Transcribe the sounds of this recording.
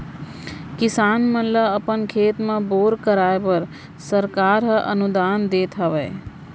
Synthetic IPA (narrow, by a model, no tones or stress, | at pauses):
kɪsaːnmənləəpənkʰeːt̪meboːɾkəɾaːebəɾ | səɾkaːɾɦəʔə̰nud̪and̪eːt̪ɦəʋɛː